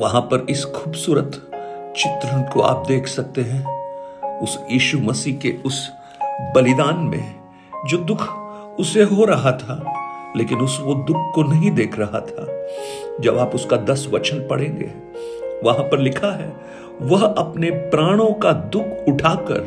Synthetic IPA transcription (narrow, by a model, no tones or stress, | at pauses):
ʋɐɦãpɐɾɪsxʰuːbsuːɾət̪t͡ʃɪt̪ɾə̃nkoʔa̰ːp̚d̪eːkʰsɐk̚t̪eɦɛ̃ | ʊsjiːʃumɐsiːkeʊs | bɐlɪd̪aːnmḛ̃ | d͡ʒoːd̪ʊkʰ | ʊseɦoɾɐɦat̪ʰaːleːkɪnʊsʋod̪ʊkʰkonɐɦĩd̪eːkʰɾɐɦat̪ʰaː | d͡ʒɐbaːpʊskad̪ɐsʋɐ̰t͡ʃənpɐɽ̤ẽːŋɡḛː | ʋɐɦãpɐɾlɪkʰaɦɛ | ʋɐɦɐpnepɾaːɽ̃õkad̪ʊkʰʊʈʰaːkɐ̰ɾ